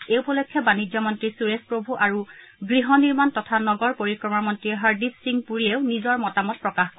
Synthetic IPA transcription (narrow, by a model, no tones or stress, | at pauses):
ewpɔlɔjkʰːjɔbanid͡ʒɔmɔntɹisuɹespɹobʱuʔaɹuɡɹiɦɔniɹmantɔtʰanɔɡɔɹpoɹikɹɔmamɔntɹiɛɦaɹdisiŋpuɹieʊnizɔɹmɔtamɔt̚pɹɔkaxk